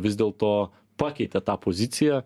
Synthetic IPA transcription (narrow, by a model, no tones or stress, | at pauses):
vʲizd̪ɛlˠt̪ɔ | pakʲɛjt̪ʲɛt̪aːpozʲit̪sijɐ